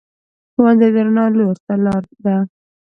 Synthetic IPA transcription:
wand̪əd̪aɾnɑloɾt̪alɑɾd̪a

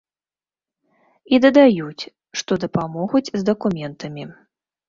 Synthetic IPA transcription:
id̪ɐd̪ajut͡sʲ | ʂt̪ɔd̪ɐpamɔɣut͡sʲzd̪ɐkumʲɛnt̪ɐmʲi

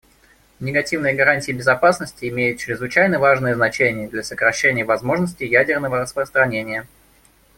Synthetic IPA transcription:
nʲɪɡɐtʲivnɨjəɡɐɾanʲtʲɪːɪbʲɪzɐpasnəsʲtʲɪɪmʲejʊt̪̚t͡ɕɾʲɪzvɨt͡ɕæjnəvaʐnəjəznɐt͡ɕenʲɪjəd̪lʲɐsəkɾɐɕːenʲɪjəvɐzmo̞ʐnəsʲtʲɪjædʲɪrnəvəɾəspɾəst̪ɾɐnʲenʲɪjə

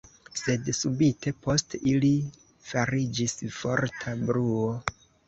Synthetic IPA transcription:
se̞dsubitʰe̞po̞stili | faɾid͡ʒisfo̞̰ɾtʰabɾuo

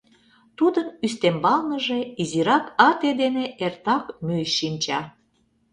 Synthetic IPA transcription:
t̪ud̪ənyst̪embɑlnəʒeiziɾɑkɑt̪ed̪eneert̪ɑkmøʃinʲt͡ɕɑ

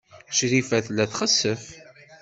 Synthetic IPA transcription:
ʃɾifæθlːæθχəsːəf

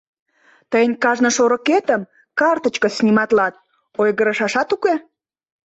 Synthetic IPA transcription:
t̪əjənʲkɑʒnə̆ʃoɾoket̪əm | kɑrt̪ə̆t͡ɕkə̆snʲimɑt̪lɑt̪̚ | ojɣəɾə̆ʃɑʃɑt̪uke

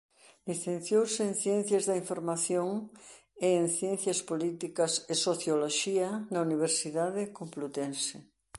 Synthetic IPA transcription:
liθẽn̟θjowsenθjen̟θjɐzðɐiɱfoɾmaθjoŋ | eːnθjẽnθjaspolit̪ikasesoθjoloʃianauniβ̞eɾsiðaðekomplut̪ense

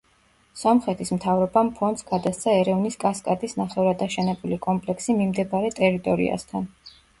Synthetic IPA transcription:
sɔmχɛt̪ʰismt̪ʰavɾɔbampʰɔnd̪sɡ̥ad̪ast̪sʰaɛɾɛuniskʼaskʼad̪isnaχɛvɾad̪aʃɛnɛbulikʼɔmpʼlɛksimimd̪ɛbaɾɛt̪ʼɛɾit̪ʼɔɾḭa̰st̪ʰan

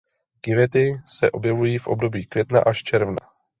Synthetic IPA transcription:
ɡ̥ɪvɛt̪ɪsɛʔo̞bjɛvujiːfʔo̞̰bdo̞biːkvjɛt̪na̰ʔaʃt͡ʃɛɾvna

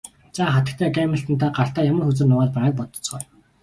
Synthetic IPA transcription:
t͡ɕaːχat̪ə̆k̚t̪ʰæːɡemə̆ɬt̪ɘ̆nt̪ʰaːɢarɬt̪aːjamərxɵt͡sɘ̆ːnːʊwaːt̪̚pæɾaːk̚pɔt̪ɞ̆t͡sɢœː

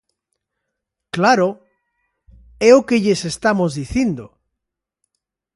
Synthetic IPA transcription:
klaɾo | ɛokeʎesest̪amozðiθjend̪o

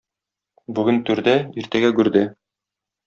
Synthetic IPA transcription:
bʉɡɘnt̪ʉɾd̪æiɾt̪æɡækʉɾd̪ɘ

